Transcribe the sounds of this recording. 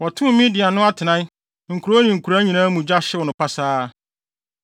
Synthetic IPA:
wɔ˨tʰʊ̃˦mĩ˦dɪ˨a˨nʊ̃˦a˦tʰɪ˨nã˦ | ŋ̩˨kʰu˨ɾo˦nĩ˨ŋ̩˨kʰu˨ɾa˦ɲĩ˨nãː˦mũ˨d͡ʑa˦ɕɪ˦wɔ˨nʊ̃˨pʰa˦saː˦

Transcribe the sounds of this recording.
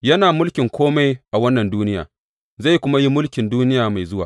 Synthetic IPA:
jɐ˦naː˨mʊ˦lkʲɪ˨ŋkʷʰoː˦ma˦jʔa˨wɐ˦nːɐ˨nduː˦nɪ˦ja̰ː˨ | za˦˨kʷʊ˦ma˦ji˦mʊ˦lkʲɪ˨nduː˦nɪ˦jaː˨ma˨jzʊ˦waː˨

